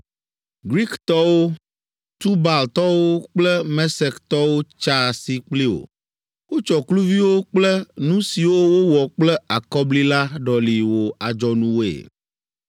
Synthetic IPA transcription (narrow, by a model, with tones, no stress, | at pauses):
ɡɾi˦kt̪ɔ˦wo˦ | t̪u˦ba˨lt̪ɔ˦wo˦k͡plɛ˦mɛ˦sɛ˨kt̪ɔ˦wo˦t͡ʃa˦si˨k͡pli˦o̰˨ | wo˦t͡ʃɔ˨klu˦vi˦wo˦k͡plɛ˦nũ˦si˨wo˦wo˦wɔ˨k͡plɛ˦a˨kɔ˦bli˦la˦ɖɔ˨li˨wo˨a˨d͡ʒɔ˨nũ˦wo˦ḛ˨